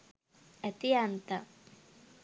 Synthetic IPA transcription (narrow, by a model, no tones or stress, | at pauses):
et̪iant̪a